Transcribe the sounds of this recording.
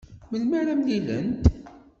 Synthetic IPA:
məlmaɾæmlilə̰nt̪

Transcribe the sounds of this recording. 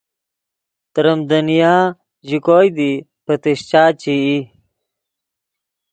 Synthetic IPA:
t̪ɾəmd̪ɐnijaː | ʑikojd̪i | pət̪iɕt͡ɕaːt͡ɕii

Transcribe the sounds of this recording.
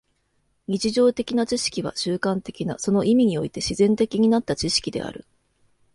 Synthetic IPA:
ɲ̟it͡ɕiʑo̞ːt̪e̞kʲinat͡ɕiɕi̥kʲiβ̞a̰ɕɨːkãnt̪e̞kʲina̰so̞no̞ʔimʲiɲ̟io̞it̪e̞ɕizẽ̞nt̪e̞kʲiɲ̟inat̪ːat͡ɕiɕi̥kʲid̪e̞̰a̰ɾɯ̟̰

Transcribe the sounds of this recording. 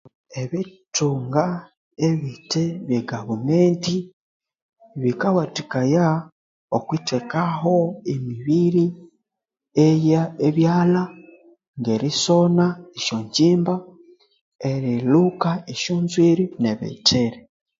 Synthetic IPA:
eβituːŋɡa | eβiteβjeɡaβumeːnti | βikawatikaja | okwitekaɦo̞emiβiɾi | ejaeβjaːla | ŋɡe̞ɾiso̞naeʃoɲɟiːmba | eɾilukaeʃuːnzwiɾineβḛtʰeɾe

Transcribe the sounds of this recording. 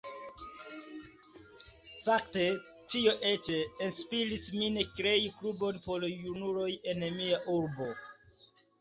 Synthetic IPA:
fakte̞ | tio̞ʔet͡ʃe̞enspiɾismine̞kɾe̞jiklubo̞npo̞ljunuɾo̞je̞nmiaʔuɾbo̞

